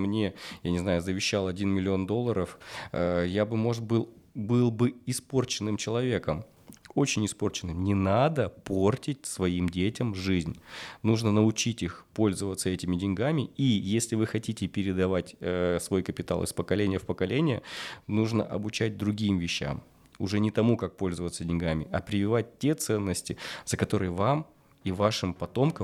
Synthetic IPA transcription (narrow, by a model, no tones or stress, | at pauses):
mnʲe̞janʲɪznajʊzəvʲɪɕːalˠɐdʲinmʲɪlʲɪo̞nd̪o̞lˠːəɾəfəjabɨmo̞ʐɨt̪bɨlˠbɨlˠbɨɪspo̞rt͡ɕɪnːɨmt͡ɕɪlˠɐvʲe̞kəm | o̞t͡ɕɪnʲɪspo̞rt͡ɕɪnːɨmnʲɪnad̪əpo̞rtʲɪt̚ʲsvɐimdʲetʲɪmʐɨzʲnʲnuʐnənəʊt͡ɕitʲixpo̞lʲzəvət̪səɛtʲɪmʲɪdʲɪnʲɡamʲɪijesʲlʲɪvɨxɐtʲitʲɪpʲɪɾʲɪd̪ɐvatʲːsvo̞jkəpʲɪt̪a̰lˠɨ̰spəkɐlʲenʲɪjəfpəkɐlʲenʲɪjə̰nuʐnə̰ʔɐbʊt͡ɕæd̚ʲd̪ɾʊɡʲimvʲɪɕːa̰m | ʊʐɛnʲɪt̪ɐmukak̚po̞lʲzəvət̪sədʲɪnʲɡamʲɪʔɐpɾʲɪvʲɪvat̚ʲtʲːe̞t̪sɛnːəsʲtʲɪzəkɐt̪o̞ɾɨjvam | ivaʂɨmpɐt̪o̞mkə